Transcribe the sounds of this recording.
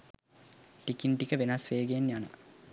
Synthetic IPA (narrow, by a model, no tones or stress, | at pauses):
likiɳʈikəʋenɐsʋeːɡenːjanə̰